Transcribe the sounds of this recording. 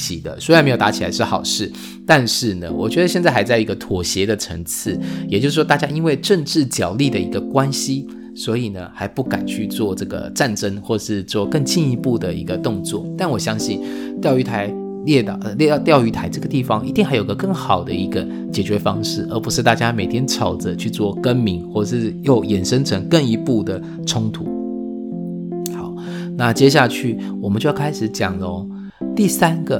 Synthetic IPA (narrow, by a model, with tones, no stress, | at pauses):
ɕi˨˩d̪ə̰˦swa˧nme˧˥jo˨˩t̪a˧˥t͡ɕʰi˨˩la˧˥ɪʂɻ̩˥˩xɑ˨˩ʊʂɻ̩˥˩ | t̪a˥˧nʂɻ̩˥˩nə̰˩wɔ̰˨˩t͡ɕɥɛ˧˥d̪ə˧ɕjɛ˥˧nt͡sa˥˩xa˧˥ɪt͡sa˥˩ɪi˧˥ɡə˧t̪ʰwɔ˨˩ɕjɛ˧˥d̪ə˧ʈ͡ʂʰə̰˧˥ŋt͡s̩ʰ˥˩jɛ˨˩t͡ɕjo˥˧ʂ̩˥˩ʂwɔ˥t̪t͡ɕja˥i˥nwe˥˧ɪʈ͡ʂə˥˧ŋʈ͡ʂɻ̩˥˩t͡ɕjɑ˨˩ʊli˥˩d̪ə˩i˧˥ɡə˧kwa˦nɕi˥ | swɔ˧˥i˨˩nə˩xa˧˥ɪpu˥˩ka̰˨˩nt͡ɕʰy˥˧t͡swɔ˥˧ʈ͡ʂɤ˥˩ɡə̰˩ʈ͡ʂa˥˩nʈ͡ʂə˥ŋxwɔ˥˩ə˨˩ʂɻ̩˥˧t͡swɔ˥˧kə˥˧ŋt͡ɕi˥˩ŋi˧˥pu˥˩d̪ə˩ḭ˧˥ɡə˧t̪ʊ˥˧ŋt͡swɔ̰˥˩t̪a˥˩nwɔ˨˩ɕjɑ˥ŋɕi˥˩n | t̪jɑ˥˧ʊy˧˥t̪ʰa˧˥ɪ | ljɛ˥˩t̪lɛ˥˧t̪jɑ˥˩ʊy˧˥t̪ʰa˧˥ɪʈ͡ʂɤ˥˩ɡə˩t̪i˥˩fɑ˦ŋi˧˥t̪i˥˧ŋxa˧ɪjo˨˩i˧ɡə˧kə˥˩ŋxɑ˨˩ʊd̪ə˦i˧˥ɡə˧ | t͡ɕjɛ˨˩t͡ɕɥɛ˧˥fɑ˥ŋʂɻ̩˥˩ə˞˧˥pu˧˥ʂɻ̩˥˧t̪a˥˩t͡ɕja˦me˨˩ɪt̪ʰjɛ˥nʈ͡ʂʰɑ˨˩ʊd͡zə˦t͡ɕʰy˥˧t͡swɔ˥˩kə˦˥nmi˧˥ŋxwɔ˥˩ə˨ʂɻ̩˥˧jo˥˩ʊjɛ˨˩nʂə˥ŋʈ͡ʂʰə˧˦ŋkə˥˩ŋi˧˥pu˥˩d̪ə˩ | ʈ͡ʂʰʊ˥ŋt̪ʰṵ˨˥˦ | xa˨˩˦ʊ | na˥˨t͡ɕjɛ˥ɕ̬ja˥˧t͡ɕʰy˥˩ | wɔ˨˩mə˨nt͡ɕo˥˧jkʰa˥ɪʂɻ̩˨˩˦t͡ɕjɑ˨˩ŋlo˧˦ | t̪i˥˩sa˥nɡə˨